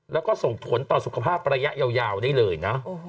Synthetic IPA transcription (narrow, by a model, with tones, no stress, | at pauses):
lɛː˦˥wkɔː˥˩so˨˩ŋt̪ʰu˨˩˦ənt̪ɔː˨˩su˨˩kʰa˧pʰaː˥˩p̚ɾaː˧ja˦˥ʔjaː˧wjaː˧wdaː˥˩jlɤː˧jna˦˥